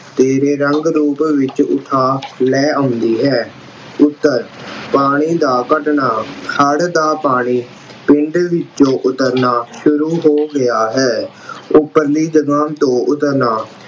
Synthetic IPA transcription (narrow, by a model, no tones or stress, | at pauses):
t̪eːɾeːɾəŋɡɾuːpʋɪt͡ʃʊ̰t̪ʰːaːlɛːə̃ːnd̪iːɦɛː | ʊt̪ːəɾpaːɽ̃iːd̪aːkəʈɳaːhʰəɽd̪aːpaːɽ̃iː | pɪɳɖʋɪt͡ʃõːʔʊt̪əɾnaːʃʊɾuːɦoːɡɪjaːɦɛː | ʊpːəɾliːd͡ʒəɡãːmt̪õːʔʊt̪əɾnaː